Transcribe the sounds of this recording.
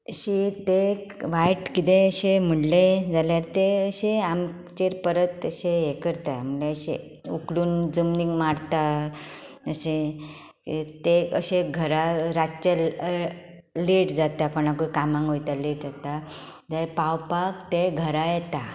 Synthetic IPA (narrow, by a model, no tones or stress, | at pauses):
əɕit̪eʋajʈkit̪ẽəɕem̤əɽled͡zaljaɾt̪eəɕeam | t͡ɕeɾpəɾət̪əɕejekəɾt̪am̤əleəɕḛ | ukɽuːnd͡zəmniŋɡmaɽt̪a | əɕe | t̪eəɕeɡʱəɾaɾat͡ɕə | leʈd͡zat̪akoñakoikamãŋɡɦojt̪aleʈd͡zat̪a | d͡zapawpakt̪eɡʱəɾajɛt̪a